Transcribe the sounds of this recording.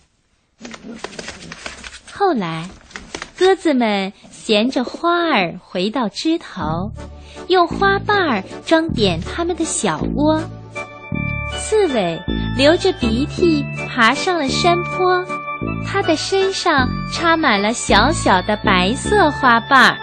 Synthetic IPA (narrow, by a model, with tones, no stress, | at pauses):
xo˥˩ʊla˧˥ɪkɤ˥t͡sɹ̩˨˩mə˨˩nɕjɛ˧˥nʈ͡ʂə˧xwa˥ə˞˨˩xwe˧˥ɪt̪ɑ˥˩ʊʈ͡ʂɻ̩˥t̪ʰo˧˥ʊjo˥˩ʊxwa˥pa˥˩ə˨˩ʈ͡ʂwɑ˥ŋt̪jɛ˨˩nt̪ʰa˥mə˨nd̪ə˩ɕjɑ˨˩ʊkwɔ˥ | t͡sʰɹ̩˥˩we˨˩ɪljo˧˥ʊʈ͡ʂə˧pi˧˥t̪ʰi˥˩pʰa˧˥ʂɑ˥˩ŋd̪ə˨˩ʂə˥npʰwɔ˥t̪ʰa˥d̪ə˨ʂə˥nʂɑ˥˩ŋʈ͡ʂʰa˥ma˨˩nlə˦ɕjɑ˧˥ʊɕjɑ˨˩ʊd̪ə˦pa˧˥ɪsɤ˥˩xwa˥pa˥˩